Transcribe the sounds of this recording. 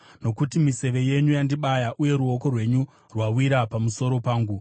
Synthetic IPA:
no̞kutimise̞ʋe̞je̞ɲujandiɓajaʔuje̞ɾuoko̞rwe̞ɲu | rwawiɾapamuso̞ɾo̞paːŋɡu

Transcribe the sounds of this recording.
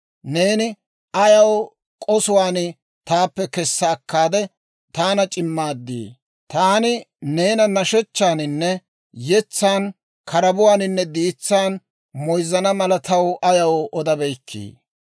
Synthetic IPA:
neːnɪ | ɐjɐw | kʼɔsʊwaːnɪ | t̪aːpːɛkɛsːɐːkːaːd̪ɛ | t̪aːnɐt͡ʃʼɪmːaːd̪ːḭː | t̪aːnɪne̞ːnɐnɐʃɔt͡ʃːaːnɪnːɛ | jɛt͡sːaːn | kʰɐɾɐbʊwaːnɪnːɛd̪iːt͡sːaːn | mɔjzːɐnɐmɐlɐt̪ɐwʔɐjɐwʔɔd̪ɐbɛjkʰːḭː

